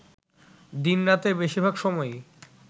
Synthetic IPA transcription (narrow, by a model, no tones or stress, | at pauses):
d̪inɾat̪ebeʃiɾbʱaɡʃɔmɔe